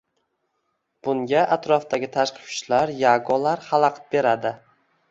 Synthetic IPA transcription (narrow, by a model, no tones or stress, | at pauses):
b̥ʊŋɡʲaʔat̪ɾɒft̪ʰaɡʲɪt̪ʰaʃqʰɨ̥pʰt͡ʃlaɾjaɡɒlaɾχalˠɑqt̪be̞ɾad̪ɪ